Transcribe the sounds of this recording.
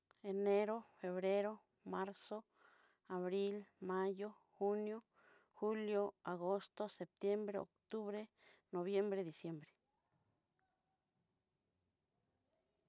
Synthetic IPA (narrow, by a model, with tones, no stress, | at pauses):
e˨ne˦ɾo˦fe˨βɾe˦ɾo˦ | ma˦ɾso˦ | a˨βɾi˦lma˦jo˦ | xu˦njo˦ | xu˦ljo˦a˨ɣo˦st̪o˦se˨p̚t̪je˦mbɾe˦o̰˨kt̪u˦βɾe˦ | no˨βje˦mbɾe˦d̪i˨sje˧˦mbɾe̥˨